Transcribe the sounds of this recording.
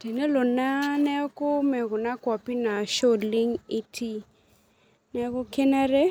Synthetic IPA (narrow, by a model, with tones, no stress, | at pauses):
te˨ne˦lo˨na˦nɛ˦kʊ˦mɛ˨kʊ˨na˦kwɔ˨pi˦na˨ʃo˦˨dlɪ˦ŋɪ˦tʰi˦ | nɛ˦kʊ˦ke˦na˦ɾe˦